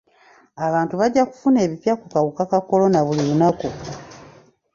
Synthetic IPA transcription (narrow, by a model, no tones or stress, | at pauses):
aβaːntuβaɟːaku̥fune̞ːβipjakukaβukakako̞lo̞naβuliβunaku